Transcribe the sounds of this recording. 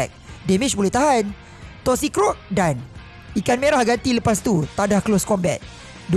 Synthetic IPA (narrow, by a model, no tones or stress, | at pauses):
k̚demit͡ʃbolɛht̪aɦan | t̪ɔsikɾɔk̚dan | ikanmeɾahɡat̪iləpast̪ut̪adahkloskɔmbɛ̰t̪̚ | d